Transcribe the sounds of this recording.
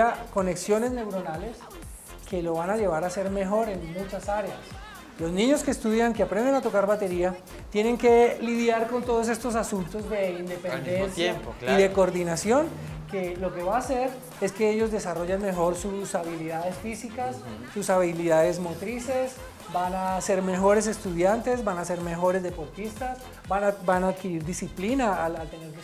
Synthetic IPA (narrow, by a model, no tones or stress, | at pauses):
ako̞ne̞ksjo̞ne̞zne̞wɾo̞nale̞s | ke̞lo̞βanaʝe̞βaɾase̞ɾme̞xo̞ɾe̞nmut͡ʃasaɾe̞as | lo̞znĩɲo̞ske̞ːst̪uðjaŋkeapɾe̞nd̪enat̪o̞kaɾβat̪e̞ɾia | t̪je̞ne̞ŋke̞liðjaɾko̞nt̪oðo̞s̬e̞st̪o̞s̬asunt̪o̞zd̪e̞ind̪e̞pend̪e̞nsjaiðe̞koɾd̪inasjo̞n | ke̞lo̞ke̞βaːse̞ɾ | e̞ske̞eʝo̞zd̪e̞saro̞ʝanme̞xo̞ɾsusaβiliðaðe̞sfisikasː | usaβiliðaðe̞zmo̞t̪ɾise̞s | banase̞ɾme̞xo̞ɾe̞s̬e̞st̪uðjant̪e̞zbanase̞ɾme̞xo̞ɾe̞zd̪e̞po̞ɾt̪ist̪as | banbanaːðkiɾiɾd̪isiplinaalalt̪e̞neɾke